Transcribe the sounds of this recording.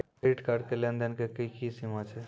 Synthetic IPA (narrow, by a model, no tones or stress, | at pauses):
iʈkaɖkelend̪enkekikisimat͡ʃʰe